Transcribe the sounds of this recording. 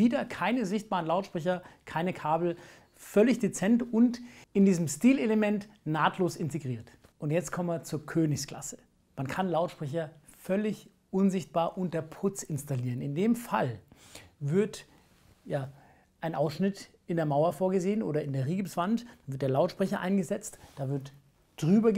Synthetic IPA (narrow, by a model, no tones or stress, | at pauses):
viːdɐkʰaɪnəzɪçt̚b̥aːʁənlaʊtʃpʁ̥ɛç̬ɐkʰaɪnəkʰaːbl̩ | fœlɪçd̥et͡sɛntʊntɪndiːzəmstiːleləmɛnt | naːtʰloːsɪnteɡʁiːɐt | ʔʊntjɛt͡stkʰɔməɐt͡suːɐkʰøːnɪçskl̥a̰sə̥ | mankʰanlaʊtʃpʁ̥ɛç̬ɐ | fœlɪç | ʔʊnzɪçt̚b̥aːɐʔʊntdeːɐpʰʊt͡sɪnstaliːʁənɪndeːmfal | vɪɐt | jaː | ʔaɪnʔaʊsʃnɪt | ɪndeːɐmaʊɐfoːɐɡəzeːənʔoːɾɐɪndeːɐʁiːɡəpsv̥antd̥anvɪɐt̚deːɐlaʊtʃpʁ̥ɛçɐʔa̰ɪnɡəzɛt͡std̥aːvɪɐt | d̥ʁyːbɐ